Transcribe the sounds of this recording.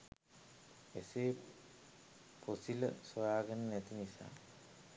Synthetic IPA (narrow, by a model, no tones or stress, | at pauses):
eseː | pʰosilə̰sojaːɡenənet̪inisa̰ː